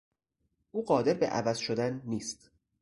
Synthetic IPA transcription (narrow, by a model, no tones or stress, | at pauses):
ʔuːɢɒːd̪eɾbḛʔæ̰væzʃod̪ænːiːst̪